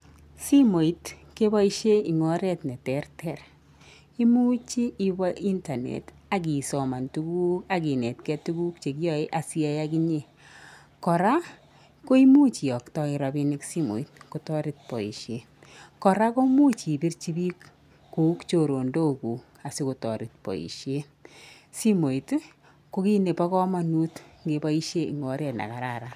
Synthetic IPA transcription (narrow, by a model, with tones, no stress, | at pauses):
si˦mo˨i˦t | ke˦bɔ˦i˦ʃe˦i˨ŋɔ˦ɾɛ˦tnɛ˨tɛ˨rtʰɛ˦˨r | i˦mu˦t͡ʃiː˦bɔ˦ʔi˦nta˨nḛ˨ta˨k̬i˨sɔ˨ma˨ntu˦ɡu˦ka˦ki˨nɛ˨tkɛ˦tu˦ɡu˦k̚t͡ʃe˨kjɔ˦e˦ʔa˨si˦a˦ja˦ki˦ɲe˦ | kɔ˨ɾa˦ | ko˦i˦mu˦t͡ʃi˨ɔ˨ktɔ˦ɪ˨ɾa˧bi˦nɪ˦ksi˦mo̰˨i˦t̚ko˨tɔ˦ɾɪ˦t̚pɔ̰˨ḭ˨ʃe˦ | kɔ˨ɾa˦ko˦mu˦t͡ʃi˨pi˦rt͡ʃi˦bi˦kː | u˨˦kt͡ʃo˨ɾo˨ndo˦ku˨ | a˨si˦ko˨tɔ˨ɾɪ˨t̚pɔ̰˨ḭ˨ʃe˦ | si˦mo˨it | ko˦ki˦ne˨pa˦kɔ˦ma˦nu˦tŋɡe˦ba˦i˦ʃe˦ḭ˨ŋɔ˨ɾe˨tna̰˨ka˨ɾa˨ɾa˨